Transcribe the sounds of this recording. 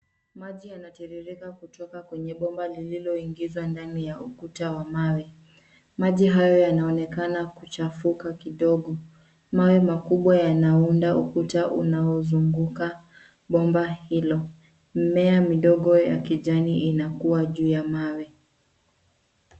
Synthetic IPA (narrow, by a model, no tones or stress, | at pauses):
maʄijanatɛɾiɾikakutɔkakwɛɲɛɓɔmbalililɔiŋɡizwandanijaukutawamawi | maʄiɦajɔjanaɔnɛkanakut͡ʃafukakiɗɔɠɔ | mawimakuɓwajanaundaʔukutaʔṵnaɔzuŋɡuka | ɓɔmbahilɔ | m̩mɛamiɗɔɠɔja̰kiʄaniʔinakuwaʄuːjamawi